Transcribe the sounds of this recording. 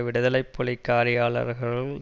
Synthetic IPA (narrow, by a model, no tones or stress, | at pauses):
ʋɪɽɯðɐlɐɪpːɔɭɪkːaːɾɪjaːɭɐ̰ɾɣɐɭɯm